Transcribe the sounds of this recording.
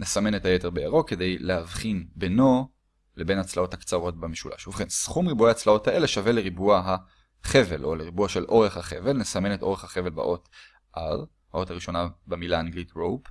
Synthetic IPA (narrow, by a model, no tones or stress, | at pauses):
nesame̞nethajeteʁbeeʁo̞ke̞de̞jleavχinbeno̞ | le̞be̞nat͡slao̞thakt͡saʁo̞t̚bamiʃulʔa̰ʃuvχensχumʁibueat͡slao̞thaʔe̞le̞ʃave̞leʁibuaɦa | χe̞velʔo̞leʁibuaʃe̞lʔo̞ʁe̞χhaχe̞ve̞lnesame̞netʔo̞ʁe̞χhaχeve̞lba̰ʔo̞t | ʔaʁ | hao̞taʁiʃo̞nabemilaːnɡlitʁowp